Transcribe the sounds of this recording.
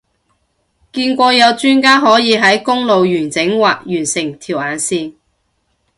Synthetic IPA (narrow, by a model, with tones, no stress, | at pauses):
kiː˧nkʷɔː˧jɐ˨˧wt͡ʃyː˥nkaː˥ɦɔː˨˥jiː˨˧ɦɐ˨˥jkʊ˥ŋlo˨wjyː˨˩nt͡sɪ˨˥ŋwaː˨k̚jyː˨˩nsɪ˨˩ŋt̪ʰiː˨˩wʔaː˨˩nsiː˧